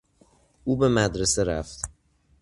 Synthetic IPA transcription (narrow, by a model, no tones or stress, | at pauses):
ʔuːbe̞mæd̪ɾe̞se̞ɾæft̪